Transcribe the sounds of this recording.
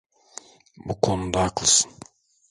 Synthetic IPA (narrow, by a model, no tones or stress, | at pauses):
bukʰo̞nud̪aːklˠsɯ̥n